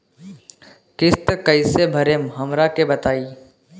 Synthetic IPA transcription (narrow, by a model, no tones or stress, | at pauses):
kɪst̪kəisebʱɐɾemɦɐmɾakebɐt̪aːiː